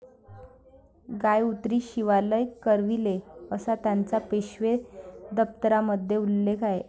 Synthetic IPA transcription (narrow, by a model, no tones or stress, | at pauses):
ɡajut̪ɾiːɕiʋaləjkəɾʋileəsat̪jant͡sapeɕʋed̪əp̚t̪əɾaməd̪ʱjeulːekʰae